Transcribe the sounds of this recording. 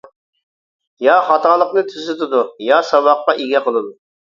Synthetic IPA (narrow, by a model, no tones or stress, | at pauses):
jɑχɑt̪ɑlˠəqnɨt̪ʰyzɪt̪ɪd̪ujɑsɑbɑqːɑʔiɡʲɛqʰəlˠɨd̪u